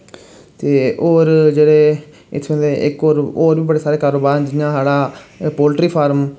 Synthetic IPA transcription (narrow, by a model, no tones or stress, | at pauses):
t̪eːʔoːɾd͡ʒeːɽeː | ɪ̰t̪ʰpɛ̃nd̪eːʔɪkoːɾoːɾʋiːbəɽeːsaːɾeːkaːɾoːbaːɾnd͡ʒɪjãːsaːɽaːpoːlʈɾiːpʰaːɾm